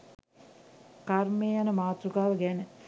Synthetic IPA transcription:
karmeːjanəmaːt̪ɾukaːʋəɡænə

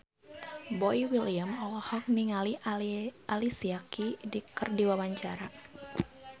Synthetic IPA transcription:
bɔiwiliamɔlɔhɔk̚niŋali | ʔalisiakidikɨrdiwawaɲt͡ʃaɾa

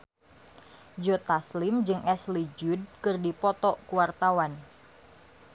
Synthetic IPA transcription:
d͡ʒɔt̪aslɪmd͡ʒɨŋʔɛslid͡ʒud̚kɨrdipɔt̪ɔkuwart̪awan

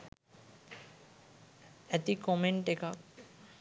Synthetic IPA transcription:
ɛt̪ikomeɳʈekak

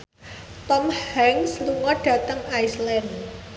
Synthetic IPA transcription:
t̪ɔmhhɛŋsluŋɔɖ̥ä̤t̪əŋajslɛn

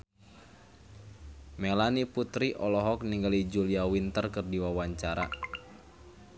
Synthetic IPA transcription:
mɛlaniput̪ɾiʔɔlɔɦɔk̚niŋɡalid͡ʒuliawint̪ərkɨrdiwawaɲt͡ʃaɾa̰

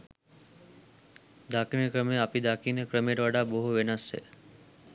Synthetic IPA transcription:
d̪aːkinekɾəmeapid̪aːkinəkɾəmeɾʋaɖaːboɦuʋenasːḛ

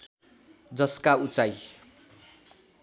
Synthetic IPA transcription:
d͡zʌskaut͡saj

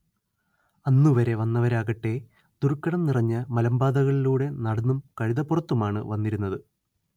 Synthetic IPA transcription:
ɐnːuʋɐɾe̞ʋɐnːɐʋɐɾaːɣɐʈːe̞ | d̪uɾkːɐɽɐmnirɐɲːɐmɐlɐmbaːd̪ɐɣɐɭiluːɽe̞nɐɽɐnːumkɐɻiðɐpːurɐt̪ːumaːɳɨ̰ʋɐnːiɾunːɐðɨ

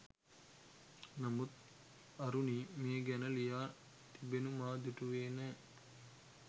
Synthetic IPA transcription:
nɐmut̪ | ɐɾunimeːɡɛnəlijaː | t̪ibenumaːd̪uʈuʋeːnɛː

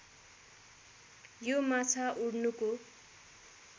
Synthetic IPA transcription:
jomat͡sʰaʔuɽnuko

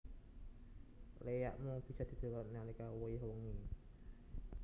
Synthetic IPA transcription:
leja̰ʔmub̥isad̪̥i̤d̪̥o̤lɔnalikawojɦoŋi

